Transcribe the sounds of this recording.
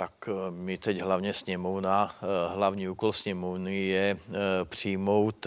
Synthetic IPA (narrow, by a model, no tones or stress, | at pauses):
t̪akmit̪ɛɟɦlaʋɲɛsɲɛmɔwnaɦlaʋɲiːuːkɔlsɲɛmɔʊnijɛpr̥iːmɔwt̪